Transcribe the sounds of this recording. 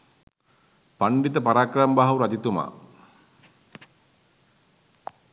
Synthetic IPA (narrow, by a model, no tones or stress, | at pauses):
paɳɖit̪əpaɾaːkrambaɦawuɾad͡ʒ̪it̪uma̰ː